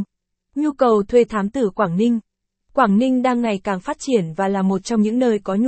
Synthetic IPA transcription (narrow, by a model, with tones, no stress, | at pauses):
ɲu˧kə˨˩wt̪ʰwe˧˩t̪ʰaː˨˦mt̪ɨ˧˩kwaː˧˩ŋnï˧ŋ̟ | kwaː˧˩ŋnï˧ŋ̟ɗaː˧ŋːa˨˩jkaː˨˩ŋfaː˦˥t̚t͡ɕi˧˩ənvaː˨˩laː˨˩mo˨˩t̚t͡ɕɔ˧wŋ͡mɲɨ̰˧˥ŋnəː˧jkɔ˨˦ɲ